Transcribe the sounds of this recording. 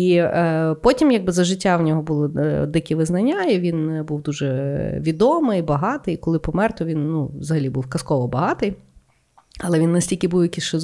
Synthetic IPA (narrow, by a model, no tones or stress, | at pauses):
ipɔtʲimjaɡ̚bɪzɐʒɪtʲːawnʲɔɦɔbulˠɪɔ̰d̪ɪkʲɪʋɪznɐnʲːaiʋʲinbuwd̪uʒɛʋʲid̪ɔmɪjbɐɦɑt̪ɪikɔlˠɪpɔmɛrt̪ɔʋʲinːuʋzɐɦɐlʲibuwkɐskɔʋɔbɐɦɑt̪ɪj | ɐlˠɛʋʲinːɐsʲtʲilʲkʲɪbuwjɐkʲisʃt͡ʃɔz